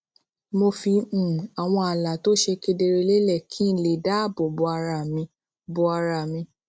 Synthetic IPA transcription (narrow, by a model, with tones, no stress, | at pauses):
mo˧fĩ˧˨a˨w̃ɔ̃˧a˨la˨to˦ʃe˧ke˧de˧ɾe˧le˦lɛ˦˨kʰĩ˦le˨da˦˨bo˨bo˧a˧ɾa˧˨mĩ˧ | bo˧˦a˧ɾa˧˨mĩ˧